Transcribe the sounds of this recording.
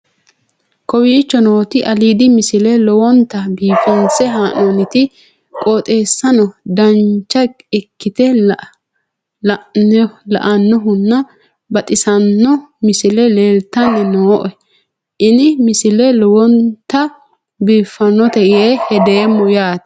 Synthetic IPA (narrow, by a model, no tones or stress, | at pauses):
kɔwiːt͡ʃːɔnoːt̪ɪʔɐliːd̪ɪmɪsɪlɛlɔwɔnt̪ːɐbiːfɐnsɛɦaːnonɪt̪ɪ | kʼɔt̪ʼeːsːɐnɔd̪ɐnt͡ʃːɐ | ɪkːɪt̪ɛ | lɐ̰ʔɐnːɔɦʊnːɐ | bɐt̪ʼɪsɐnːɔmɪsɪlɛleːlt̪ːɐnːɛnoːʔɔ | ʔɪnɪmɪsɪlɛlɔwɔnt̪ːɐ | biːfːɐnːɔt̪ɛʔɪeːhɛd̪eːmːʊjaːt̪